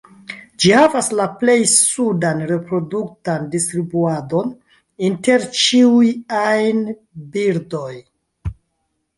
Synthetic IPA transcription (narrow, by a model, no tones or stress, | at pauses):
d͡ʒihavaslaple̞jsudanɾe̞pɾo̞duk̚tandistɾibuado̞n | inte̞ɾt͡ʃiujajn | biɾdo̞j